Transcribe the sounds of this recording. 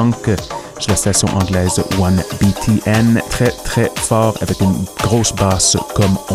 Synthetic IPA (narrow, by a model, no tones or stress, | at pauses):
ɑ̃kə | ʃelast̪asjɔ̰̃ʔɑ̃ɡlɛːzwanbit̪ʰiʔɛnt̪χɛt̪χɛfɑːʁa̰vɛkynɡ̥ʁoːsbaskɔmɔ̃